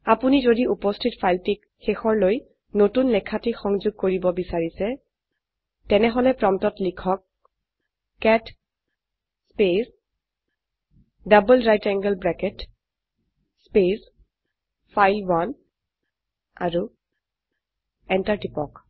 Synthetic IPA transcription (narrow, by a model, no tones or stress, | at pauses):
apunizodiupɔstʰitpʰajltik | xexɔɹloj | notunlɛkʰatixɔŋzuɡ̚koɹibɔbisaɹisɛ | tɛnɛɦɔlɛpɹɔmtɔtlikʰɔk̚ | ɛt | spes | dabɔlɹajtɛŋɡəlbɹɛkɛt | spes | fʰajlwan | a̰ɹu | ɛntaɹtipɔk